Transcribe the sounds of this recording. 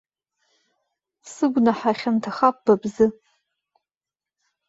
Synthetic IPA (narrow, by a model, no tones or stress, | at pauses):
sɨɡʷnaħaχʲantʰaχap̚ʼb̥abzɨ